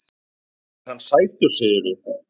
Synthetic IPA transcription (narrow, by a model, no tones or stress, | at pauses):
hanːsaːjt̪ʏ̥seːðʏɾʏ